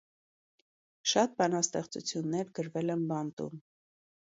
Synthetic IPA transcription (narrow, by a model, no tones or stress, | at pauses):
ʃɑt̪̚bɑnɑst̪ɛχt͡sṵt͡sʰjunːɛɾɡəɾvɛlɛnbɑnt̪ṵm